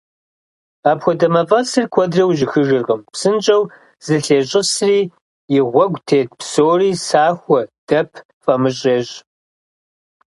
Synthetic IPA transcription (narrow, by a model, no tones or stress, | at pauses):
aːpxʷɔdɐmɐfʼɐsɨrkʷʰɔdrɐwʒɪxɨʒɨrʁəmpsɨnt͡ʃʼɐw | z̥ɨɬeːɕʼɪsriː | jɪʁʷɔɡʷtʰeːt̚psoːriːsaːxʷɔd̥ɐpʰ | fʼɐmɨɕʼeːɕ